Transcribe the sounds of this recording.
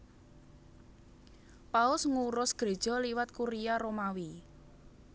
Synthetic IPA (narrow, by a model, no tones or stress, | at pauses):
paʊsŋuɾʊsɡ̥ɾe̤d̥ʒ̥ɔ̤liwat̪̚kuɾijaɾomawi